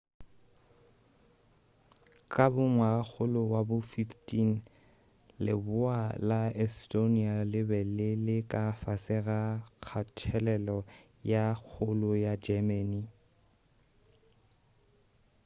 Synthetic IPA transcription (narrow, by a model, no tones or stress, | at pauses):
kʼabʊŋwak͡xʰʊlʊwabʊfiftʼin | lɪbʊalaɛstʼonialɪbɛlɪlɪkʼafasɪɣak͡xʰatʰɛlɛlɔ | jak͡xʰʊlʊjad͡ʒɛmɛni